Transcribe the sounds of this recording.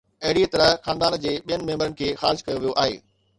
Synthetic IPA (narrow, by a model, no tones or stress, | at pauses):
ɐɦɪɽit̪ɐɾəɦxaːnd̪aːnd͡ʑeːɓijənɪ̆mẽːmbəɾənɪ̆kʰeːxaːɾɪʃkɐjoʋijoʔaːɦḛː